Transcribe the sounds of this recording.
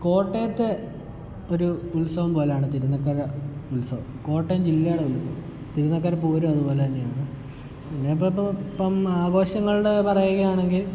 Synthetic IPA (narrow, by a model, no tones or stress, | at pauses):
ko̞ːʈːejɐt̪ːe | oɾuulsɐʋumpo̞ːlejaːɳɨt̪iɾunːɐkːɐɾɐulsɐʋ | ko̞ːʈːemd͡ʑilːɐjɐɽeulsɐʋu | t̪iɾunːɐk̬ːɐɾɐpuːɾuɐðubo̞ːlet̪ɐnːejaːɳɨ | pinːepːɐpːɐmaːɣo̞ːɕɐŋːɐɭɽepɐrɐjuɣɐjaːɳe̞ŋɡil